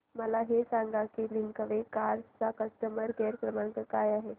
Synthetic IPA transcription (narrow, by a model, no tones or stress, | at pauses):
məlaɦesãŋɡakiːliŋkəʋekaɾt͡sakəsʈ̪əməɾɡeɾkɾəmaɳkəkajaɦe